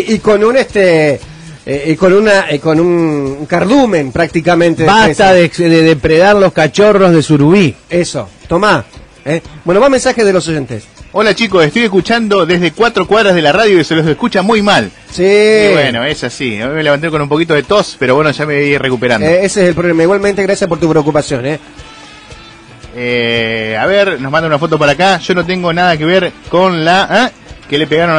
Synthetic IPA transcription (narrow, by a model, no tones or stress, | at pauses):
ikonunest̪e | eko̞nunaʔkonunŋkaɾðumẽnpɾak̚t̪ikamẽnt̪ebast̪aðeðeðepɾeðaɾlo̞skat͡ʃo̞ro̞zðesuɾuβieso̰t̪oma | ebwe̞noβamensaxeðelo̞so̞ʒent̪esolat͡ʃikoseht̪ojeskut͡ʃand̪o̞ðeɦðekwat̪ɾokwaðɾazðelaraðjoiselosehkut͡ʃamujmal | sibweno̞esasiojmeleβant̪ekonũmpo̞kit̪o̞ðet̪o̞speɾoβwenoʒameβirekupeɾa̰neeseselpɾolemaiɣwalmẽnt̪eɣɾasjaspoɾt̪upɾeok̬upasjo̞ne | eaβeɾnoɦmãnd̪aunafo̞t̪̬o̞p̬aɾakaʒ̥o̞not̪̬eŋɡonaðak̬e̞βeɾko̞nlaʔa | kele̞peɣaɾon